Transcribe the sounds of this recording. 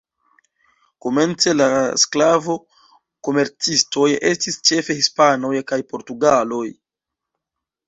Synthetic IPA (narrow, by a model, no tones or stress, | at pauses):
ko̞me̞nt͡se̞lasklavo̞ | ko̞me̞ɾt͡sisto̞je̞̰stist͡ʃe̞fe̞hispano̞jkajpo̞ɾtuɡalo̞j